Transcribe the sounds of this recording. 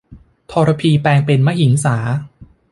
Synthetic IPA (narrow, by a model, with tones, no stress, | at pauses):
t̪ʰɔː˧ɾa˧pʰiː˧pɛː˧ŋpe˧nma˥ji˩˦ŋsaː˩˦